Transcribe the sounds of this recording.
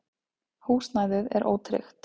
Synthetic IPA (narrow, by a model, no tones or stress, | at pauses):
huːsnajðɪðɛ̰ɾʔo̰ːwt̪ʰɾɪ̰xt̪